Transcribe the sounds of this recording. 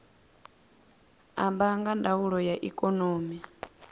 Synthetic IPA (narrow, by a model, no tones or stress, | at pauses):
ambaŋɡandauɺɔjaʔikʼɔnoːmi